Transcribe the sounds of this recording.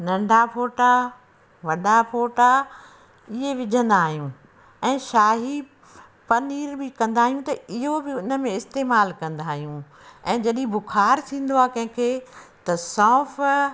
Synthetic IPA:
nɐ̃ɳɖʱapʰoːʈa | ʋɐɗapʰoːʈa | ɪɦeʋɪd͡ʑʱə̃nd̪aːɦijũ | ɛ̃ːʃaːɦi | pɐniːɾbɪkɐ̃nd̪aːɦijũt̪ɐɪɦobɪʊnə̆mẽɪst̪eːmaːlkɐ̃nd̪aːɦijũ | ɛ̃ːd͡ʑɐɗĩbʊkʰaːɾt̪ʰĩːn̆d̪oaːkɐ̃ɦɪ̃kʰeːt̪ɐsɔ̃ːf

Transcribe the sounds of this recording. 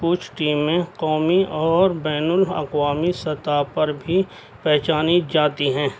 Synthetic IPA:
pʊːt͡ʃʰʈiːmːẽqɔːmiʔɔːɾbɛːnʊlɐ̰qwaːmisɐt̪aːpɐɾbʱi | pɛɦt͡ʃaːnid͡ʒaːt̪iɦɛ̃ː

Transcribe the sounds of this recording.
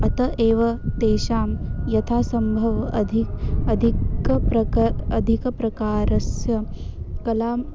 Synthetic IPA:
ɐt̪ɐʔeːʋɐt̪eːʃaːmjɐt̪ʰaːsɐmbʱɐʋɐd̪ʱiɐd̪ʱikɐpɾɐɐd̪ʱikɐpɾɐkaːɾɐsjɐ | kɐlaːm

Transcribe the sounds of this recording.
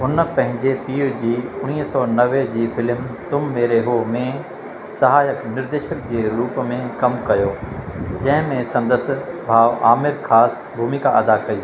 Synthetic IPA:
ʊnpɐ̃ɦɪ̃ɲd͡ʑepiːɾd͡ʑiːʊɽ̃iːɦsɔːnɐʋed͡ʑiːfɪlmt̪ʊmːeːɾeɦomẽ | sɐɦaːjəknɪɾd̪eːʃək̚d͡ʑeːɾuːpmẽkɐmkɐjoːd͡ʑɐ̃ɦɪ̃mẽsɐ̃nd̪əsbʱaːʋʔaːmɪɾkʰaːs | bʱuːmikaʔɐd̪akɐi

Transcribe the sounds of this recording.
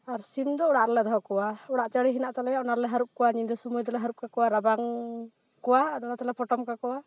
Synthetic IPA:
aɾsimd̪ɔɔɽaʔɾɛlɛd̪ɔɦɔkɔwaɔɽaʔt͡ʃəɽiɦinaʔt̪alɛjaʔɔnaɾɛlɛɦaɾup̚kɔwaɲiɲd̪ɔsumujd̪ɔlɛɦaɾuʔ̚kakɔwaɾabaŋ | kɔwad̪ɔnat̪alɛpʰɔʈɔmkakɔwa

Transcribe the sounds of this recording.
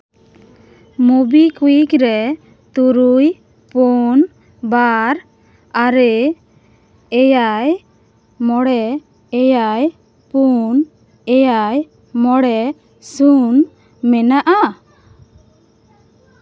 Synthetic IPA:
mubikujikɾɛ | t̪uɾuj | pun | baɾ | aɾɛ | jaj | mɔɽɛ | ɛjaj | pun | ɛjaj | mɔɽɛ | sun | mɛnaʔa

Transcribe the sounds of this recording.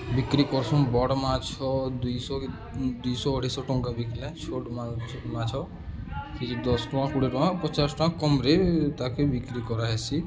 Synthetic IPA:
bikɾikɔɾsunbɔɽmãt͡ʃʰɔd̪ujsɔ | d̪ujsɔːʈʰisɔʈɔŋkabiklãt͡ʃʰoʈmamãt͡ʃʰɔ | kʰid͡ʒid̪ɔsʈɔãkuɽiʈɔãpɔt͡ʃasʈɔãkɔmɾet̪akebikɾikɔɾaɦesi

